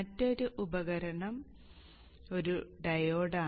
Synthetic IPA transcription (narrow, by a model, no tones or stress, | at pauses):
ɐtːoɾuʔubɐɣɐɾɐɳɐm | o̞ɾuɖɐjoːɽaː